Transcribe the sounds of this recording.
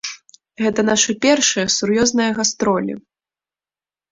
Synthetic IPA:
ɣɛt̪ɐn̪aʂɨpʲɛrʂɨjɐsurjɔznɐjɐɣast̪ɾɔlʲḭ

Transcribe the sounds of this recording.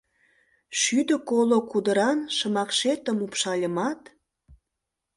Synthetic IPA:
ʃyd̪ə̆kolokud̪əɾɑnʃə̆mɑkʃet̪ə̆mupʃɑlʲə̆mɑt̪

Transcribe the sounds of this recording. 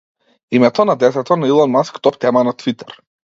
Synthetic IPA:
imɛt̪ɔnad̪ɛt̪ɛt̪ɔnailˠɔnmaskt̪ɔpt̪ɛmanat̪vit̪ɛɾ

